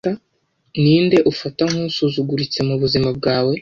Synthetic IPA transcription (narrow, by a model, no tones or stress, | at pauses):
a | niːnde̞ʔufataŋ̥usuzuɡuɾit͡se̞muβuzimab̚ɡaːwe̞